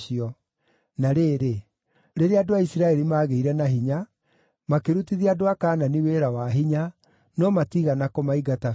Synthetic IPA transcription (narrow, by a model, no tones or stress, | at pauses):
iɔ | naɾeːɾe | ɾeɾeadoaisiɾaɛɾimaːɣeiɾɛnaɦiɲa | makeɾutiðiadoakaːnaniweɾawaɦiɲa | nɔmatiɣanakɔmaiɡata